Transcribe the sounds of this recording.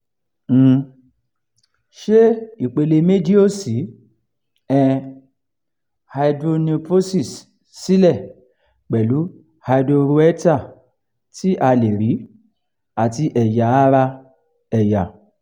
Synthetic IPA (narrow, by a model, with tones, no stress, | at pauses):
ʃe˦i˦˨k͡pe˧le˧me˦di˦o˦˨si˨˦ | ɛ˧ | ha˧idɾo˧ni˧po˦si˦˨s | si˦lɛ˦˨ | k͡pɛ˨lu˨˦ | ha˧do˧ɾu˧˦ɛ˦ta˦˨ | ti˦ʔa˧le˨ɾi˨˦ | a˨ti˧ʔɛ˨ja˨a˦ɾa˧ | ɛ˨ja˨